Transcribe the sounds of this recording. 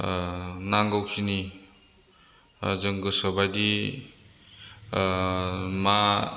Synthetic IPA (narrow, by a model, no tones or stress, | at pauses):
naŋɡowsini | zʌŋɡɯsʌbajdi | ma